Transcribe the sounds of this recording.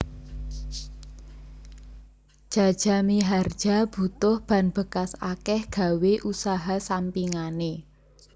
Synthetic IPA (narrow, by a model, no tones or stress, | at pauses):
d̥ʒ̥a̤d̥ʒ̥a̤miɦard̥ʒ̥a̤b̥ṳt̪ʊhb̥ä̤nb̥ə̤kasakɛhɡ̥a̤weʔusaɦasampiŋane